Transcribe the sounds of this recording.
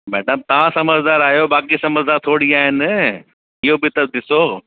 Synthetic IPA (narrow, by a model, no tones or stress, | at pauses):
mɛːɖəmt̪ɐʋãsɐməzʱd̪aːɾaːjobaːkisɐməzd̪aːɾt̪ʰoːɽiaːɦɪnɪ | ɪɦobɪt̪ɐd̪ɪsoː